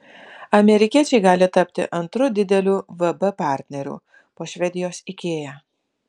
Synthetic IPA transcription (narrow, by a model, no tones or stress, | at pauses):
ɐmʲɛɾʲɪkʲiɛt͡ʃʲɛɪɡɑːlʲɪt̪ɐpʲt̪ʲɪ̰ʔɐnt̪ɾʊd̪ʲɪd̪ʲɛlʲuːʋɐbɛpɑˑɾʲt̪ʲnʲɛɾʲṵː | poːʃʲʋʲɛd̪ʲɪjoːsɪkʲeːjɛː